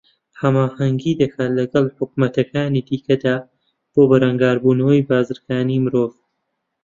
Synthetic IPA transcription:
hɐmaːhɐŋɡiːd̪ɐkʰaːtlɐɡɐlħʊk̚mɐt̪ɐkaːniːd̪iːkɐd̪aː | b̥oːbɐɾɐŋɡaːɾbuːnɐwɐjbaːzɨɾkaːniːmɨɾoːv

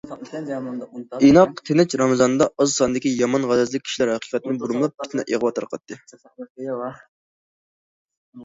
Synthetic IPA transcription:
inɑqt̪ʰenɛt͡ʃɾɑmɨzɑnd̪ɑɑzsɑnɨd̪ɪkʲijɑmɑnʁælɛzlɪkʲʰːi̥ʃlæɾhæqʰi̥qɛt̪ɪnɨŋbuɾmɨlˠɑp̚pʰi̥t̪nɛʔeʁwɑt̪ʰɑɾqʰɑt̪ːɨ

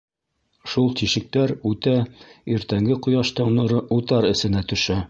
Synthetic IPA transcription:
ʃulˠt̪iʃɘ̆k̚t̪æɾʉt̪æiɾt̪æŋɡɘqŏjɑʃt̪ɤ̆ɴnɤ̆ɾɤut̪ɑɾɘ̆sɘ̆næt̪ɵ̆ʃæ

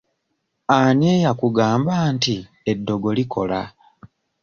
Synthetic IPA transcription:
anjeːjakuɡaːmbaːnti | edːo̞ɡo̞likʰo̞la

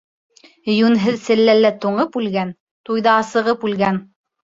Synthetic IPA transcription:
jʉnɦɘðsɘ̆lːælːæt̪uɴɤpʉlɡæn | t̪ujðɑːsɤ̆ʁɤpʉlɡæn

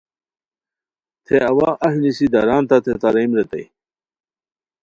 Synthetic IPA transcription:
t̪ʰeɐwaːʔɐɦnisid̪ɐɾaːnt̪at̪ʰet̪aɾɐjmɾet̪ɐ̰j

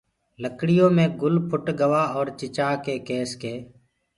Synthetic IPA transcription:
ləkɽɪjõːmẽːɡʊlpʰʊʈɡəʋaːɔːɾt͡ʃɪt͡ʃaːkeːkeːskeː

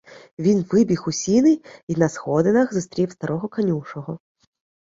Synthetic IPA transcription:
vʲinvɪbʲixusʲinɨinɐsxɔd̪ɨnɐxzɨst̪ɾʲifst̪aɾɔɣɔkanʲuʂɔɣɔ

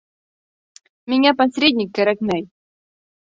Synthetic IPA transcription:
mʲɪnʲapɐsɾʲed̪ʲnʲɪkːaɾaknʲaj

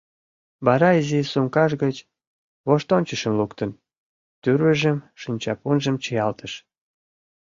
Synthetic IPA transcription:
βɑɾɑizisumkɑʃɣət͡ɕ | βoʃt̪onʲt͡ɕəʃəmlukt̪ən | t̪yɾβəʒəmʃinʲt͡ɕɑpunʒəmt͡ɕəjɑlt̪əʃ

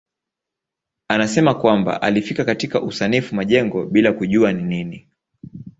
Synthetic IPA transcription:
anasɛmakwamba̰ʔalifikakatikaʔusanifumaʄɛŋɡɔɓilakuʄuaninini

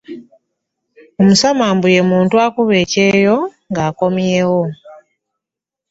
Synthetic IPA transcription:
omusamaːmbuje̞muːntuakuβe̞ːceːjo̞ŋɡaːko̞mjeːwo̞

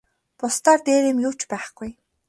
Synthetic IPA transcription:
pʊst̪aːrt̪eːɾiːmjʊːt͡ɕpæːχɡ̥uj

